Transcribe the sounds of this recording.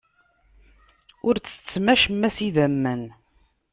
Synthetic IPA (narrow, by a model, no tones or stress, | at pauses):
ʊɾt͡sːə̥t͡sːmæʃmːæsiðæmːən